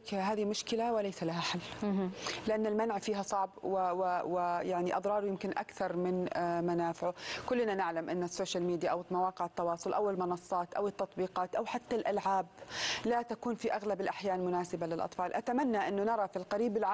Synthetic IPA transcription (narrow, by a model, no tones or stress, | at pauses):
ɦaːðimʊʃkɪlawɪlajsalaɦaħalː | lɪʔanːalmanʕfiːɦasˤɑʕbwwɪwɪjaʕniʔɑðˤɾˤɑːɾˤjɪmkɪnʔa̰kθɑɾˤmɪnmanaːfɪʕʊkʊlːnanɪʕlamʔɪnːasːoːʃalmiːd̪jaʔawmawɑːqɪʕɪt̪ːɑwɑːsˤʊlʔa̰wɪlmɑnɑsˤːɑːt̪ʔa̰wɪt̪ːɑt̪ˤbiːqɑːt̪ʔawħat̪ːalʔalʕaːblat̪akuːnfiʔaɣlabɪlʔaħjaːnmʊnaːsɪbalɪlʔɑ̰t̪ˤfɑːlʔat̪amanːaʔɪnːʊnɑɾˤɑfilqɑɾiːbɪlʕa